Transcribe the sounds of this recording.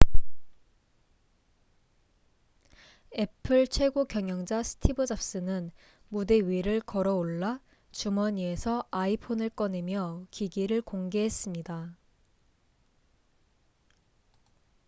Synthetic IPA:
e̞pʰɯɭt͡ɕʰwe̞ɡokjʌŋjʌŋd͡ʑasʰɯ̥tʰibɯd͡ʑap̚s͈ɯnɯn | mude̞ɥiɾɯɭkʌɾʌoɭːa | t͡ɕumʌɲie̞sʰʌaipʰonɯɭk͈ʌne̞mjʌkiɡiɾɯɭkoŋɡeɦe̞s͈ɯmɲida

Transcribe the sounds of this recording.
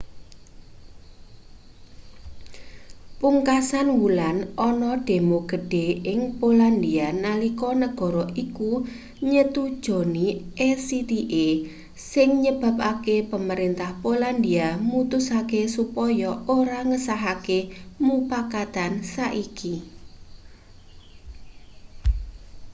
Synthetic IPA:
puŋkasanwulanʔɔnɔɖ̥e̤moɡ̥ə̤ɖ̥e̤ɪŋpoland̪ianalikɔnəɡ̥ɔ̤ɾɔʔiku | ɲət̪ud̥ʒ̥ɔ̤niʔɛsit̪iʔe | sɪŋɲəb̥ä̤p̚akepəməɾɪnt̪ahpoland̪iamut̪ʊsakesupɔjɔoɾaŋəsaɦakemupakat̪ansaʔiki

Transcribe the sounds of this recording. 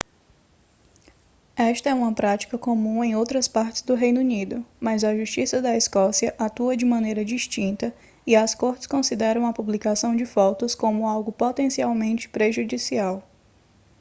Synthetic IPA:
ɛʃt̪ɐɛũmɐpɾat͡ʃi̥kɐkõmũẽj̃owt̪ɾɐspaɾt͡ʃɪ̥zd̪ʊɦejnunid̪ʊmɐzɐʒuʃt͡ʃisɐd̪ɐiskɔsiɐʔat̪uɐd͡ʒɪmɐ̃nejɾɐd͡ʒiʃt͡ʃĩnt̪ɐ | iɐskoɾt͡ʃɪ̥skõsid̪ɛɾɐ̃w̃ɐpublikasɐ̃w̃d͡ʒɪfɔt̪ʊskõmʊawɡʊpot̪ẽsiawmẽnt͡ʃɪ̥pɾeʒud͡ʒisiaw

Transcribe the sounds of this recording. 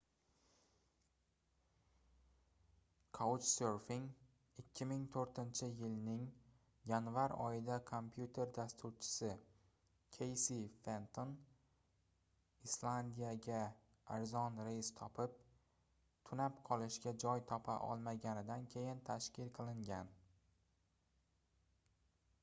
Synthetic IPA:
kʰawt͡ʃseɾfɪŋ | ɪkʲʰːɪmɪŋt̪ʰoɾt̪ɪnt͡ʃʰɪjɪlnɪŋ | janvaɾɒ̰jɪd̪akʰompʰjut̪ʰe̞ɾd̪ast̪uɾt͡ʃʰɪ̥sɪ | kʲʰejsifent̪ʰon | islˠand̪ijaɡʲa | aɾzɒnɾest̪ʰɒpʰɪp̚ | t̪ʰʊnapqʰɒlˠɪʃɡʲad͡ʒɒjt̪ʰɒpʰa̰ʔɒ̰lˠmaɡʲanɪd̪ankʲʰe̞jɪnt̪ʰaʃkʲɪlqʰɨlˠɪŋɡʲan

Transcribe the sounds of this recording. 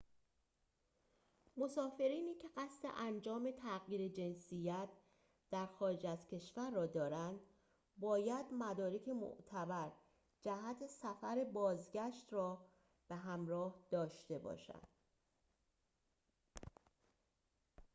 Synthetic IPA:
mo̞sɒːfe̞ɾiːniːcʰe̞ɢæst̪e̞̰ʔænd͡ʒɒːme̞t̪ʰæɣiːɾed͡ʒe̞nsijæt̪ | d̪̥æɾxɒːɾed͡ʒæzcʰe̞ʃvæɾːɒːd̪ɒːɾænd̪ | bɒːjæd̪mæd̪ɒːɾekcʰe̞mo̰ʔt̪ʰæbæɾ | d͡ʒæhæt̪ʰesæfæɾebɒːzɟæʃt̪rɒː | b̥e̞ɦæmɾɒːhd̪̥ɒːʃt̪e̞bɒ̰ːʃæ̰nd̪̥

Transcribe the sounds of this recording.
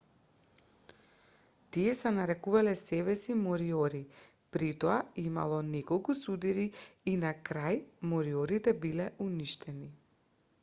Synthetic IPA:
t̪iɛsɛnaɾɛkuvalɛsɛbɛsimɔɾiɔɾi | pɾit̪ɔaima̰lˠɔnɛkɔlˠkusud̪iɾiːnakɾajmɔɾiɔɾit̪ɛbilɛuniʃt̪ɛni

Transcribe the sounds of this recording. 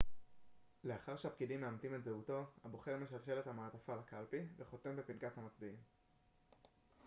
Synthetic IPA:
le̞aχaʁʃehapkidimːeamtimetzeuto̞habo̞χe̞ʁme̞ʃalʃe̞lethamaːtafalakalpiveχo̞te̞mbepinkashamat͡sbiim

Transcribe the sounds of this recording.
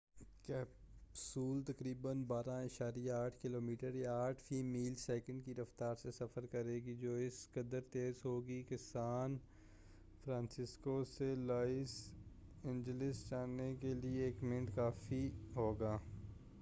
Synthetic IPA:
kɛːpsuːlt̪ɐkɾiːbənbaːɾãɐʃaːɾijaaːʈʰkɪloːmiːʈəɾjaaːʈʰfiːmiːlsɛːkə̃ɳɖkiɾɐft̪aːɾsesɐfəɾkɐɾeːɡid͡ʒoːɪskəd̪əɾt̪eːzɦoːɡikesaːn | fʰɾãːnsɪskoselaːɪs | ɪ̃nd͡ʒəlɪst͡ʃaːnekelieːkmɪ̃ɳʈkaːfiɦoːɡaː

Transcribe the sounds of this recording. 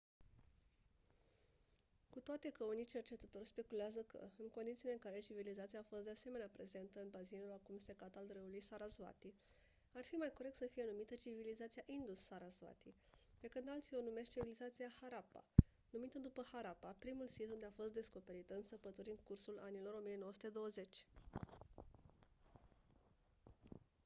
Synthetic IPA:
kut̪oat̪e̞kəunit͡ʃe̞rt͡ʃe̞t̪ət̪o̞rʲspe̞kuleazəkʰə̰ɨŋko̞nd̪it̪sileɨŋkaɾe̞t͡ʃivilizat̪siaːfo̞st̪d̪ease̞me̞neapɾe̞ze̞nt̪əɨnbazinulakumse̞kat̪ald̪ɾəulujsaɾazva̰t̪i | arfimajko̞ɾe̞k̚t̪səfije̞numit̪ət͡ʃivilizat̪sijaʔind̪usːaɾazva̰t̪i | pe̞kɨnd̪alt̪sio̞nume̞ʃt̪t͡ʃivilizat̪siahaɾapa̰ | numit̪əd̪upəhaɾapapɾimulsit̪und̪e̞afo̞st̪̚d̪e̞sko̞pe̞ɾit̪əɨnsəpət̪uɾʲɨŋkursulanilo̞ɾo̞mijenowəsu̥t̪ed̪o̞wəze̞t͡ʃʲ

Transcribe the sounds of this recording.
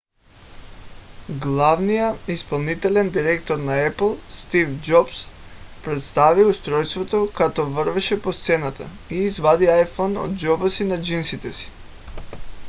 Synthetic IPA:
ɡlˠavnijaispolˠnit̪ɛlɛnd̪iɾɛkt̪ɔɾnaɛplˠst̪ivd͡ʒɔps | pɾɛt̪st̪aviust̪ɾɔjst̪vɔt̪okat̪ɔvər̩vɛʃɛpost̪sɛnat̪a̰ | iːzvad̪iajfɔnɔ̰d̪̚d͡ʒɔbasinad͡ʒinsit̪ɛsi̥

